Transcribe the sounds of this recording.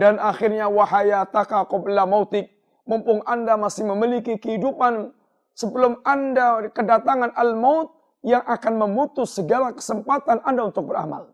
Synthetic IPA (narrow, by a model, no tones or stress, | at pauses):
danaxɪrɲawaɦajat̪akakɔplamaut̪ɪk̚ | mɔmpʊŋʔandamasɪhməmilikikəɦidupan | səbəlʊmandakədat̪aŋanʔalmaʊt̪̚ | jaŋakanməmut̪ʊsːəɡalakə̥səmpat̪anʔandaunt̪ʊk̚bəɾa̰ma̰l